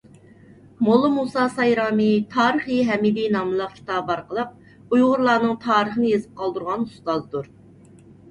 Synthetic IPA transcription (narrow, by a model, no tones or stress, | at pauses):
molˠːɨmusɑsɑjɾɑːmit̪ʰɑːɾəχɨɦɛmid̪inɑmɨlˠəq̚kʲʰi̥t̪ʰɑbbɑɾqəlˠəq̚ | ujʁʊɾlˠɑːnɨŋt̪ʰɑːɾəχənɨjezɨp̚qʰɑlˠd̪uɾʁɑnust̪ɑzd̪uɾ